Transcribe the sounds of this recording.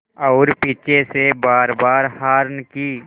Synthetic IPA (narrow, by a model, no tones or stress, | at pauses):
ɔːɾpiːt͡ʃesebaːɾbaːɾhaːɾnkiː